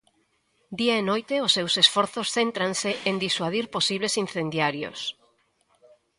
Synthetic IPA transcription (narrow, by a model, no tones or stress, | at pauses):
d̪iaenojt̪eʊsːewsesfɔɾθosθent̪ɾanseʔend̪iswaðiɾposiβlesin̟θend̪jaɾjo̰s